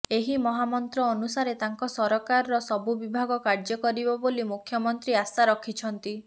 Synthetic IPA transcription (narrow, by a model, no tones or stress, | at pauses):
eɦimɔɦamɔnt̪ɾɔːnusaɾet̪aŋkɔsɔɾɔkaɾɾɔsɔbubibʱaɡɔkaɾd͡ʒɔkɔɾibɔbolimukʰjɔmɔnt̪ɾiasaɾɔkʰit͡ʃʰɔnt̪i